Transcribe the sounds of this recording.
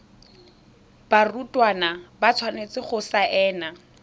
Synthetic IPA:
b̥arutʼwanabat͡sʰwanet͡sɪχʊsaʔɛːna

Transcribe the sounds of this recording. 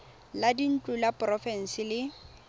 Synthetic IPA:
ladin̩t͡ɬʼulapʼrɔfɛn̩sɪlɪ

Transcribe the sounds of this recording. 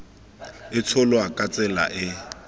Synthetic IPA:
ɪt͡sʰʊlɔakʼat͡sʼɛla̰ʔɪ

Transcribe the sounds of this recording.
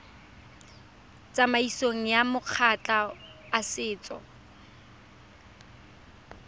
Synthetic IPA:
t͡sʼamaisoŋ̩jamʊq͡χʰat͡ɬʼaːsɪːt͡sʼɔ̰

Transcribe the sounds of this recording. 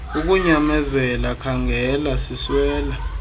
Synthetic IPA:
uk̬uɲamɛzɛlakʰaŋʱɛlasiswɛːla

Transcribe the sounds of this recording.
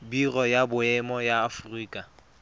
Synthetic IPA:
birɔjabʊɛmɔjaːfʊriːkʼa

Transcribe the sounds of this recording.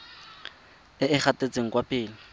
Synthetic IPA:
ɪɪχatʼet͡sʼeŋ̩kʼwapʼɪːlɪ

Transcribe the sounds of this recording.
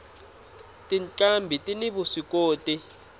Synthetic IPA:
tʼinǀambʱitʼiniɓusikʼoːtʼi

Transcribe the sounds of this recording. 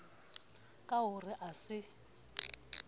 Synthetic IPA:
kʼaɦʊrɪʔasɪ

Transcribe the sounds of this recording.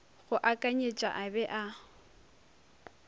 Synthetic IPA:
ɣʊʔakʼaɲet͡ʃʼa̰ʔabɛʔa

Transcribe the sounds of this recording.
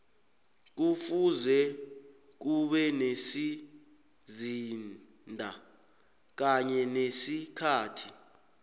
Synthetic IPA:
k̬ufuzɛ | k̬uɓɛnesi | zin | ndʱa | k̬aɲɛnesikʰaːtʰi

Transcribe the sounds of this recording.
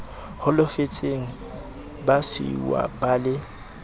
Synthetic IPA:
hʊlʊfet͡sʼeŋ̩ | basḭwa̰balɪ

